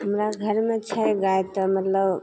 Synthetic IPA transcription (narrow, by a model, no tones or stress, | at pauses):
ɦəmɾaɡʱəɾmet͡ʃʰəjɡajt̪əmət̪ləb